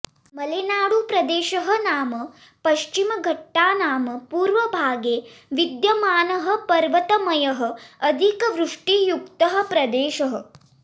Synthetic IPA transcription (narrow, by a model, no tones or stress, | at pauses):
mɐleːnaːɽupɾɐd̪eːʃɐɦɐ̆naːmɐ | pɐʃt͡ʃimɐɡʱɐʈːaːnaːmɐpuːɾʋɐbʱaːɡeːʋid̪jɐmaːnɐɦɐ̆pɐɾʋɐt̪ɐmɐjɐɦɐ̆ɐd̪ʱikɐʋɾuʂʈijukt̪ɐɦɐ̆pɾɐd̪eːʃɐɦɐ